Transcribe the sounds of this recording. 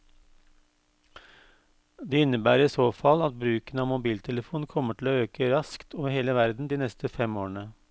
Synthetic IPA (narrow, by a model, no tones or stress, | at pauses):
d̪ɛːɪnəbæːɾɪsoːfɑlɑt̪̚bɾʉːkənəɑːʋmʊbiːlt̪ʰɛləfuːnkʰɔməʈʰɪloːøːkəɾɑskt̪ʰoːʋəɾheːləʋæɾd̪n̩d̪iːnɛst̪ʰəfɛmoːəɳə